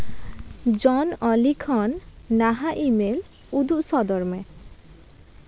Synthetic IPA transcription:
d͡ʑɔnɔlikʰɔnːaɦaʔimel | ud̪uʔsɔd̪ɔɾme

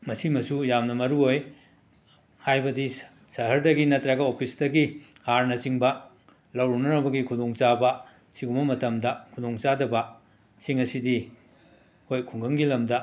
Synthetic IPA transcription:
mɐsimɐsujamnɐmɐɾuoj | hajbɐdi | sɐɦɐɾdɐɡinɐtɾɐɡɐopʰisdɐɡi | haɾnɐsiŋbɐ | lɐwɾunɐnɐbɐɡikʰudoŋt͡ʃabɐ | siɡumbɐmɐtɐmdɐkʰudoŋt͡ʃadɐbɐ | siŋɐsidi | hojkʰuŋɡɐŋɡilɐmdɐ

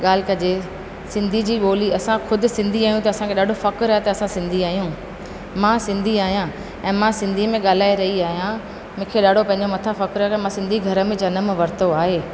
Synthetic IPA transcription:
ɠaːl̤ɪkɐd͡ʑe | sɪ̃nd̪ʱid͡ʑiːɓoːliɐsãkʰʊd̪ɪsɪ̃nd̪ʱiaːɦjũt̪ɐɐsãkʰeɗaːɖʱofɐkɾɐɦet̪ɐɐsãsɪ̃nd̪ʱiaːɦijũ | mãsɪ̃nd̪ʱiaːɦijã | ɛ̃ːmãsɪ̃nd̪ʱimẽɠaːl̤aːeɾɐɦiaːɦijã | mʊ̃ːkʰeɗaːɖ̤ʱopɐ̃ɦɪ̃ɲ̆d͡ʑomɐt̪ʰafɐkɾɐokɐmãsɪ̃nd̪ʱiɡʱɐɾə̆mẽd͡ʑɐnə̆mʋɐɾt̪oaːɦeː

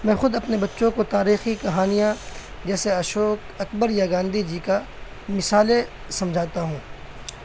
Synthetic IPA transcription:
mɛ̃ːxʊd̪ɐpnebɐtːʃõkot̪aːɾiːxikɐɦaːnijã | d͡ʒɛːseɐʃoːk | ɐkbəɾjaɡãːnd̪ʱid͡ʒiːka | mɪsaːle | sɐ̃md͡ʒʱaːt̪aɦũː

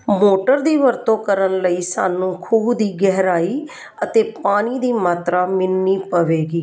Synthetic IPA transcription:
moːʈəɾd̪iːʋəɾt̪õːkəɾənləiːsa̰ːnũːkʰuːbd̪iːɡɛɦɾaːiː | ət̪eːpaːñiːd̪iːmaːt̪ɾaːmɪnːiːpəʋeːɡiː

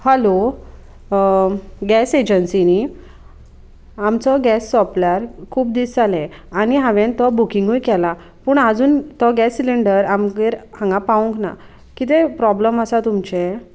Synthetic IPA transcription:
həlo | ɡɛsed͡ʑənsini | amt͡sɔɡɛsːɔplaɾkʰuːp̚d̪isd͡zalɛ̃ | añiɦãʋẽnt̪ɔbukiŋɡujkɛla | puːɳad͡zuːnt̪ɔɡɛsːiliɳɖəɾamkeɾhãŋɡapaũŋkna̰ | kit̪̬epɾɔbləməsat̪umt͡ɕe

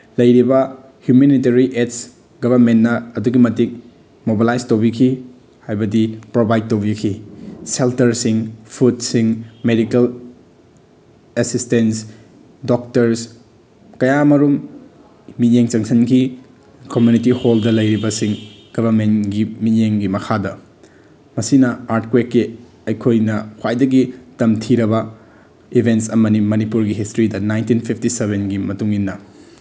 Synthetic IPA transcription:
lɐjɾibɐ | hjumeniteɾiʔets | ɡɐbʱɐɾmenːɐːduɡimɐtik̚ | mobalajstowbikʰi | hajbɐdipɾobajd̚towbikʰiseltɐɾsiŋpʰutsiŋmedikel | esistens | dok̚tɐɾs | kɐjamɐɾum | mijeŋt͡ʃɐŋsʰɐnki | komjunitiholdɐlɐjɾibɐsiŋ | ɡ̥ɐβʱɐɾmenɡimijeŋɡimɐkʰadɐ | mɐsinɐaɾtkwekːe | ɐjkʰojnɐhʰwajdɐɡitɐmtʰiɾɐβɐ | ibʱentsɐmɐnimɐnipuɾɡiɦistɾidɐnajntinpʰipʰtiseβenɡimɐtuŋinːɐ

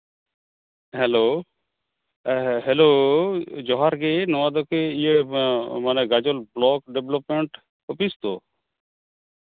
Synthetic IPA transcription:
ɦɛlo | ɦɛlo | d͡ʒɔɦaɾɡenɔwad̪ɔkeijemaneɡad͡ʒɔlblɔkɖeblɔpmeɳʈ | opist̪o

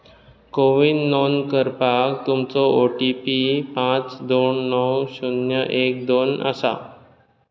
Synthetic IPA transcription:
koʋinːonkəɾpakt̪umt͡sɔoʈipipãt͡sd̪oɳːɔwɕunjəʔek̚d̪onə̰sa̰

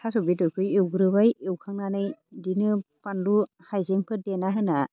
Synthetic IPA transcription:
tʰasɔbitɔjkʰɯjewɡɯɾɯbajewkʰaŋnanɯjdinɯpandu | hajzeŋpʰɯdenaɦɯna

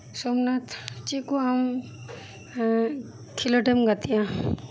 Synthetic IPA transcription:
sɔmnat̪t͡ʃikuam | kʰiloʈemɡat̪ijã

